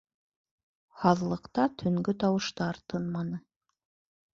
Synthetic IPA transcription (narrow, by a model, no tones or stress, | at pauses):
hɑðlˠɤ̆qt̪ɑt̪ʰɵ̆ŋɡɵt̪ɑwɤ̆ʃt̪ɑɾt̪ʰɤnmɑnɤ